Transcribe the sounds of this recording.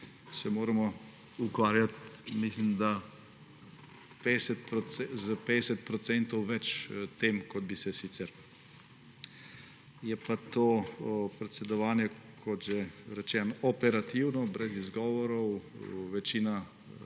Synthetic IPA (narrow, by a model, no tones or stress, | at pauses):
sɛmoːɾamɔ | ukʋaːɾjat̪mislimd̪a | peɛsɛt̪̚pɾɔɛzəped̪ɛsɛt̪̚pɾɔt̪sɛnt̪ɔwʋɛt͡ʃt̪eːmkɔd̪̚bisɛsit̪sɛɾ | jɛpat̪oːpɾɛt̪sɛd̪ɔʋaːnjɛkʰɔt̪ʒeɾɛt͡ʃɛːnɔʔɔpɛɾat̪iwnɔbɾɛzizɡɔːʋɔɾɔwʋɛt͡ʃiːna